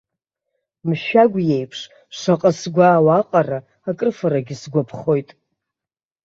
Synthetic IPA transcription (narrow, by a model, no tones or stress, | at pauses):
mʃᶣaɡʷje̞jpʰʂ | ʂaqʼəsɡʷaːwaqʼara | akʼɨrfaɾaɡʲɪsɡʷapʰχo̞jtʼ